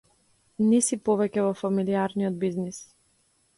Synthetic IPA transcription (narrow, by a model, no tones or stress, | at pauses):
nisipɔvɛcɛvɔfamiliaɾniɔd̪̚biznis